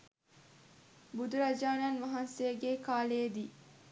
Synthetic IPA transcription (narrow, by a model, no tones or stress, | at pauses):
bud̪uɾɐd͡ʒaːnanʋɐɦɐnsejəɡekaːleːd̪iː